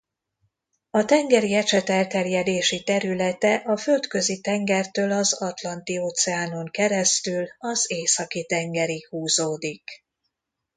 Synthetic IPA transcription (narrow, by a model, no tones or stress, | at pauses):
ɒt̪ɛŋɡɛɾiɛʃɛt̪ɛlt̪ɛrjɛd̪eːʃit̪ɛɾylɛt̪ɛʔɒfø̞lt̪kø̞zit̪ɛŋɡɛrt̪øːlɒzɒt̪lɒnt̪ioːt̪sɛaːno̞ŋkɛɾɛst̪ylɒzeːsɒkit̪ɛŋɡɛɾihuːzoːd̪ik